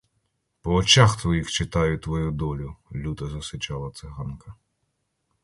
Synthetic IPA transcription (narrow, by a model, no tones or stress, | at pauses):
pɔːt͡ʃɑxt̪ʋɔjixt͡ʃɪt̪ɑjʊt̪ʋɔjud̪ɔlʲʊlʲud̪ɐzɐsɪt͡ʃɑlˠɐt̪sɪɦɑnkɐ